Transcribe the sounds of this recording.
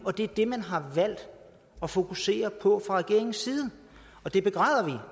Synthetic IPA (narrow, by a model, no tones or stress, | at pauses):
ɒ̽d̥e̝æɐd̥e̝mænɦɑ̈ʋæl̰d̥ | ɒ̽fo̝kʰuse̝̰ːɐpʰɒ̽fʁɑ̈ʁɛɡ̥e̝̰ɐ̰e̝ŋn̩siːð̞̩ˠə | ɒ̽d̥e̝b̥e̝ɡ̥ʁɑ̰̈ːð̞ˠɐʋi